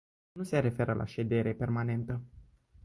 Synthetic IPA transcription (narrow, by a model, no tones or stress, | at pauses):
nuse̞ɾe̞fe̞ɾəlʔa̰ʃe̞d̪e̞ɾe̞pe̞rmane̞nt̪ə